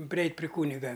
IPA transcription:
pʲrʲɪˈɛɪtʲ pʲrʲɪ ˈkuːnʲɪɡɐ

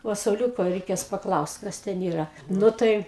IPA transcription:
ˈʋɐ sɐʊˈlʲuːkoː rʲɛɪˈkʲeːs pɐˈklˠɐʊst ˈkɐs tʲɛn ˈiːrɐ ˈnʊ tɐɪ

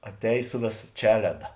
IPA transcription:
ɐtʲˈɛːj ˈsʊ ʋʲeːˌsɐ ˈt͡ʃʲæːlʲɛdɐ

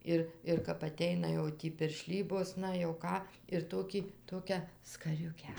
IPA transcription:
ˈɪr ɪr kɐp ɐˈtʲɛɪnɐ jɛʊ ˈtʲiː pʲɪrʲˈʃʲlʲiːboːs ˈnɐ jɛʊ ˈkɑː ɪr ˈtoːkʲiː ˈtoːkʲæː skɐˈrʲʊkʲæː

